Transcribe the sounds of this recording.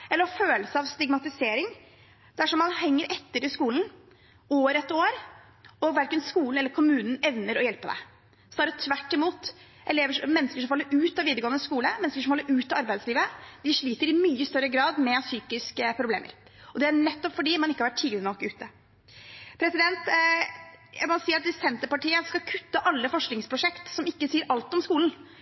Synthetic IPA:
ʔɛlːəɾɔføːləsəɑʋst̪ɪɡmɑt̪ɪseːɾɪŋ | d̪̥ɛæʂɔmːɑnhɛŋːəɾʔɛt̪ːəɾɪskuːln̩ | oːɾɛt̪oːɾ | ɔʋæɾkənskuːln̩ɛlːəɾkʰʊmʉːnn̩ɛʋnəɾɔjɛlpəd̪ɛ̰ | sɔnɑːɾət̪ʰʋæʈːɪmuːt̪ | ʔɛleːʋəʂmɛnːəskəʂɔmfɑlːəɾʉːt̪ɑʋiːd̪əɾɡoːənəskuːləmɛnːskəʂɔmfɑlːəɾʉːt̪ɑɑɾbæɪd̪sliːʋəd̪ɪʂɭiːt̪əɾɪmyːəst̪œɾəɡɾɑːd̪mɛsyːkɪskəpʰɾʊblḛːmə̰ɾ | ɔd̪ɛæɳɛt̪ːɔpfɔɖiːmɑnɪkːɑʋæʈʰːiːɡ̪ɪnɔkːʉːt̪ə | pʰɾɛsɪd̪ɛnt̪ | æmɔsiːəɾɑt̪ɪsɛnt̪əɾpɑʈiːəskɑkʰʉt̪ːəʔɑlːəfɔʂknɪŋspʰɾʊʂɛkt̪sɔmɪkːəsiːəɾʔɑlt̪ɔmskuːln̩

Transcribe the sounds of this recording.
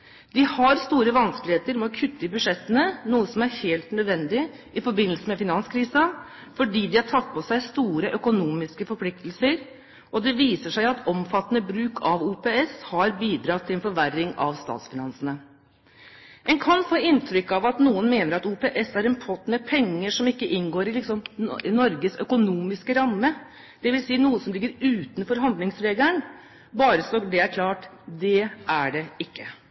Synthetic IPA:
d̪̥ɪhɑɾst̪uːɾəʋɑnsklɪheːt̪əɾmɛɔkʰʉt̪ːɪbʉʂɛt̪ːənənuːəsɔmæɾheːlt̪nœd̪ʋɛnd̪ɪ | ɪfɔɾbɪnːəlsəmɛfɪnɑnskʰɾiːsɑ | fɔɖiːd̪ɪæʈʰɑt̪̚ːpʰɔsæɪst̪uːɾəʔœkʊnuːmɪskəfɔɾpʰlɪk̚t̪lsəɾ | ʔɔd̪ɛʋiːsəʂæɪɑt̪ʰɔmfɑt̪ːənəbɾʉːkʰɑʋuːpeɛshɑɾbiːd̪ɾɑːt̪ʰːɪlɛnfɔɾʋærːɪŋɑ̰ʋst̪ɑ̰ːt̪sfɪnɑnsənə | ʔɛnkʰɑnfoːɪnt̪ʰɾʏkːɑʋɑt̪nuːənmeːnəɾɑt̪uːpeʔɛsæɾɛnpʰɔt̪mɛpʰɛŋːəʂɔmɪkːəʔɪnɡoːɾɪlɪksɔmnɔɾɡəsœkʊnuːmɪskəɾɑmːə | d̪̥ɛʋɪlsiːnuːəsɔmlɪɡːəɾʉːt̪ənfɔɾɦɑnd̪lɪŋsɾeːɡləɳ | bɑːɾəsɔd̪ɛæɾkʰlɑːʈ | d̪ɛæɖɛɪkːə

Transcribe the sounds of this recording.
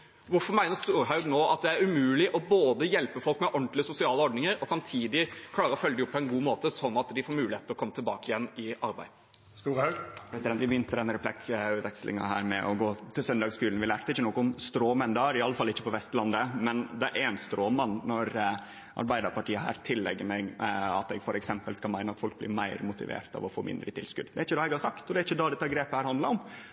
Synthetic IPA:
ʋʊɾfɔɾmæɪnəɾst̪uːɾɦɑʉɡnoːʔɑt̪̚d̪ɛæɾʉmʉːlɪʔɔboːd̪əjɛlpəfɔlkmɛʔɔɳt̪lɪəsʊsɪɑːləɔɖnɪŋəɾɔsɑmt̪ʰiːd̪ɪkʰlɑːɾəɾɔfœlːəd̪ɪɔpːʰɔɛnɡuːmoːt̪əsɔnːɑt̪d̪ɪfoːɾmʉːlɪheːt̪əɾɔkʰɔmːət̪ʰɪlbɑːkəɪjɛnːɪɑɾbæɪd̪ | st̪uːɾhɑɡpʰɾɛsɪd̪ɛnt̪ʋɪbəjʏnt̪əd̪ɛnəɾəplɛkʉːʋɛkslɪ̰ŋɑ̰ɦæ̰ːɾmɛʔɔɡoːt̪ʰɪlsœnd̪ɑːɡskʉːln̩ʋɪlæːɾt̪ɪçːənɔkːɔʊmst̪ɾoːmənd̪ɛæɾɪɑlːəfɑlːɪçːəpɔʋɛst̪lɑnd̪əmɛnd̪ɛʔæɾɛnst̪ɾoːmɑnnːɔɾ | ʔɑ̰ɾbæɪd̪ɑɾpɑʈiːəɦæ̰ːɾt̪ʰɪlːɛ̰ɡːəɾmɛɡɑ̰t̪ɛɡfɔɾɛksɛmpəlskɑlmæɪəɑt̪fɔlk̚blɪ̰ɾmæɪɾmʊt̪ɪ̰ʋḛːɾt̪ɑ̰ʋɔfoːmɪ̰nd̪ɾət̪ʰɪ̰lskʉ̰d̪d̪ɛæɾɪçːəd̪ɑːɛɡhɑɾsɑkt̪ɔd̪ɛæɾɪçːəd̪ɑd̪ɛt̪ːɑɡɾeːpəhæːɾhɑnd̪lɑɾɔm

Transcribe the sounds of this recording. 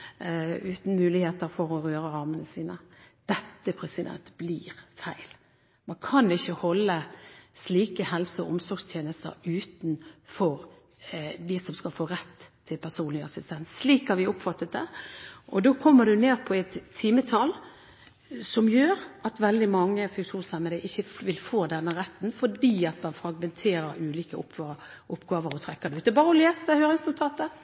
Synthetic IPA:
ʉːt̪n̩mʉːlɪheːt̪əɾfɔɾɔɾøːɾəɑɾmənəsiːnəd̪̥ɛt̪ːəpʰɾɛsɪd̪ɛ̰nt̪b̥liːɾfæɪl | mɑnkʰɑnɪçːəhɔlːəsliːkəhɛlsəɔʔʊmsɔɾɡst̪ʰjeːnəst̪ə̰ɾʉːt̪n̩fɔʁ | d̪ɪsɔmskɑlfoːɾɛt̪ʰːɪlpʰæʁsuːnlɪɑsɪst̪ʰɛnssliːkhɑɾʋɪʊpfɑt̪ːət̪̚d̪ɛʔɔd̪oːkʰɔmːəɖʉneːɾpʰɔɛt̪ʰːiːmət̪ʰɑl | sɔmjøːɾɑt̪ʋɛld̪ɪmɑŋːəfʉʂuːnsɑməd̪æʔɪçːəʋɪlfoːd̪ɛnːəɾɛt̪ːnfɔɖiːɑt̪mɑnfɾɑɡmɛnt̪ʰeːɾəɾʉːliːkəʊpː | ʔʊpːɡɑːʋəɾɔt̪ʰɾɛkːəɾd̪ɛʉːt̪ːəbɑːɾəɔleːsd̪əhøːɾɪŋsnʊt̪ʰɑːt̪ə

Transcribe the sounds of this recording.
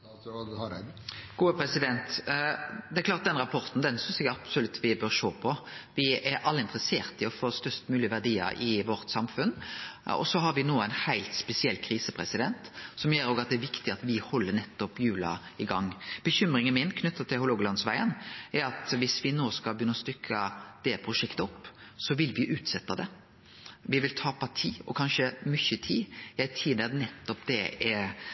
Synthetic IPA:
ɡ̥uːəpʰɾɛsɪd̪ɛnt̪ | d̪ɛɛklɑːɾt̪̚d̪ɛnɾɑpʰɔɾt̪n̩d̪ɛnsʏnsɛɡɑb̥sɔlʉt̪ʰːʋɪbøːɾʂoːpʰɔʋɪɛɾʔɑlːəɪnt̪ɾəseːɾt̪ɪɔfoːst̪œɾst̪mʉːlɪʋæʁɖiːə̰ɾɪʋɔɾt̪sɑmfʉnɔ̰sɔɦɑɾʋɪnoːɛnhæɪlt̪spɛsɪɛlːkʰɾiːsəpʰɾɛsɪd̪ɛnt̪sɔmjeːɾoːɡɑt̪̚d̪ɛæɾʋɪkt̪ɪɑt̪ʋɪhɔlːənɛt̪ːɔpjʉːlɑ̰ɪɡɑŋːb̥əçʏmɾɪŋənmɪnkʰnʏt̪ːɑt̪ʰɪlhʊloːɡəlɑnsʋæɪənɛɾɑt̪ʋɪsʋɪnoːskɑbjʏnːɔst̪ʏkʰːɑd̪̥ɛpʰɾʊʂɛkt̪əɔpːsɔʋɪlʋɪʔʉːt̪sɛt̪ːɑd̪ɛ | ʋɪʋɪlt̪ʰɑːpʰɑt̪ʰiːɔ̰kʰɑnʂəmʏçət̪ʰiːjæɪt̪ʰiːnɛd̪nɛt̪ːɔpd̪̥ɛɛɾ

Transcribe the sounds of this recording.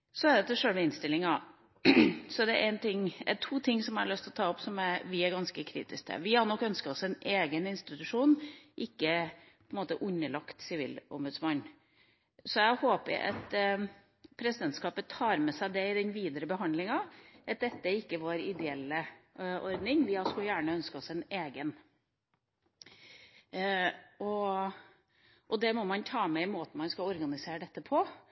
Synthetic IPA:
sɔɛd̪ɛt̪ːəʂøːlmɛɪnst̪ɪlːɪŋɑ | sɔd̪ɛʔæɪnt̪ʰɪŋɛ̰t̪ʰuːt̪ʰɪŋːsɔmæ̰ɭœst̪lɔt̪ʰɑːɔpːsɔmæɾʋɪæɾɡɑnskəkʰɾḭːt̪ɪsk̚t̪ʰɛ̰ʋɪhɑnɔkːœnskəɾɔsɛneːɡənɪnst̪ɪt̪ʉʂuːnʔɪkːəpʰɔɛnmoːt̪əʔʉnːəɭɑkt̪sɪʋḭːlɔ̰mbʉd̪smɑnː | sɔæɪhoːpə̰ɾʔɑ̰t̪ | pʰɾɛsɪd̪ɛnt̪skɑːpət̪ʰɑːɾmɛsæɪd̪ɛɪd̪ɛnʋiːd̪əɾəbəɦɑnd̪lɪŋɑʔɑt̪̚d̪ɛt̪ːəɪkːəʋoːɾɪd̪ɛɛlːəʔɔɾd̪nɪŋʋɪɑskʉljæːɳəœnskəɔsɛneːɡən | ɔ | ʔɔd̪ɛmɔmɑnt̪ʰɑːmɛɪmoːt̪ən̩mɑnskɑɔɾɡɑnɪseːɾəɖ̪ɛt̪ːəpʰɔ

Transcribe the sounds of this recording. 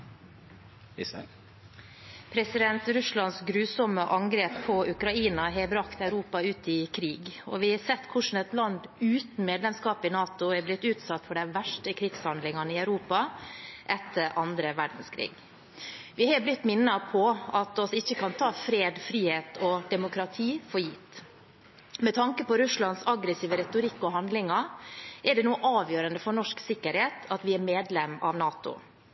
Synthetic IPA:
pʰɾɛsɪd̪ɛnt̪ɾʉslɑnsɡɾʉːsɔməʔɑŋɡɾeːpʰːɔʉkɾɑiːnɑɦɛbɾɑkt̪ɑʉɾuːpɑʉːt̪ɪkʰɾiːɡɔʋɪhɛsɛt̪ːkʰʊʂn̩ɛt̪lɑnd̪ʉːt̪n̩meːd̪lɛmskɑːpɪnɑːt̪ʊɛɾblɪt̪ːʉːt̪sɑt̪ːfɔɖɛʋæʂʈəkʰɾɪɡshɑnd̪lɪŋɑnəɪæʉɾuːpɑʔɛt̪ʰːəɾʔɑnd̪ɾəʋæɖn̩skʰɾḭːɡ | ʋɪhɑːblɪt̪ːmɪnːɑpʰɔɑt̪ɔsɪçːəkɑnt̪ʰɑːfɾeːd̪fɾiːheːt̪ʰɔd̪ɛmʊkɾɑt̪ʰiːfɔɾjiːt̪ | mɛt̪ʰɑŋkəpɔɾʉslɑnsɑɡɾəsiːʋəɾɛt̪ʊɾɪkːɔɦɑnd̪lɪŋɑɛɖɛnuːəʔɑːʋjøːɾənd̪əfɔɳɔʂksɪkːəɾheːt̪ɑt̪ʋɪɛmeːd̪lɛmɑ̰ʋnɑːt̪ʊ̰

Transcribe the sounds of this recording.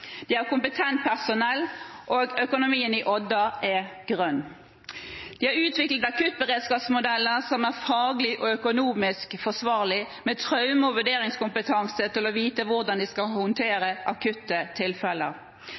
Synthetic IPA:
d̪̥ɪæɾkʊmpət̪ʰɛnt̪̚pʰæʁsʊnɛlːʔoɡœkʊnʊmiːənɪʔɔd̪ɑʔɛɡ̥ʁœnː | d̪̥ɪhɑɾʉːt̪ʋɪklət̪ɑkʉt̪̚bəʁeːd̪skɑːpsmʊd̪ɛlːəsɔmæʁfɑːɡlɪʔɔœkʊnuːmɪskfɔsʋɑːʁlɪ | mɛt̪ʰʁœʉmɔʋʉɖeːɾɪŋskʊmpət̪ʰɑŋsət̪ɪlɔʋiːt̪əʋʊʁd̪ɑnd̪ɪskɑlhʊnt̪ʰeːɾəʔɑkʰʉt̪ːət̪ʰɪlfɛlːəʁ

